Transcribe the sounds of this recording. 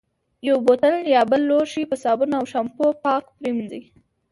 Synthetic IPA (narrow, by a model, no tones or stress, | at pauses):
jawbot̪əljɑbəlːoʃipəsɑbunaawʃampopɑkpɾimzi